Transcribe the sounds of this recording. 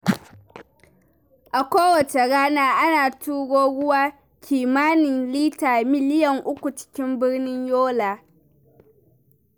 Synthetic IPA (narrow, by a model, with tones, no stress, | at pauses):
ʔa˨kʷoː˦wɐ˨t͡ʃe˨ɽaː˦naː˦ʔa˦naː˨tuː˦ɡoː˦ɽʊ˦waː˦ | kʲiː˨maː˦nɪ˨nliː˦taː˨mɪ˦lɪ˦jɐ˨ŋʔʊ˦kʷu˨t͡ʃɪ̥˦kʲɪ˦mbɪ˦ɽnɪ˦ɲjoː˦laː˨